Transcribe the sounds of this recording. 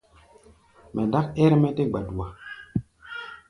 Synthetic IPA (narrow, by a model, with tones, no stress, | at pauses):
mɛ˨da˦kɛ˦ɾmɛ˦te˦ɡ͡ba˨du˨wa˨